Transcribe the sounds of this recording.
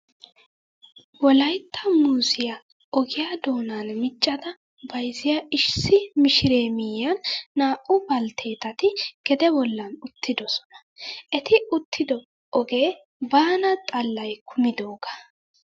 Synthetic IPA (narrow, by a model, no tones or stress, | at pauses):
wɔlɐjt̪ʰːɐmuːsɪjɐ | ʔɔɡɪjad̪o̞ːnanmɪt͡ʃʼːɐd̪ɐ | bɐjzɪjɐʔɪʃsɪmɪʃɪɾe̞ːmɪjːɐnːaːʔʊbɐlt̪ʰe̞ːt̪ɐt̪ɪɡ̥ɛd̪ɛbɔlːɐnʊt̪ʰːɪd̪ɔsɔ̥nɐ̥ | ʔɛt̪ɪʊt̪ʰːɪd̪ɔ | ʔɔɡe̞ː | baːnɐt̪ʼɐlːɐjkʰʊmɪd̪o̞ːɡɐ̥